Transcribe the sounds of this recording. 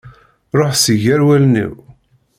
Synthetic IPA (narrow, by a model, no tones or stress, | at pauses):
ɾˤoħsəʝæɾwælnḭw